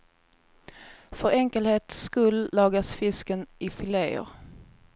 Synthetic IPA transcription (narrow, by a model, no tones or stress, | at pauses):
fœɾɛŋkəlheːt̪skɵlːɑːɡasfɪskənɪfɪleːʊ̰ɾ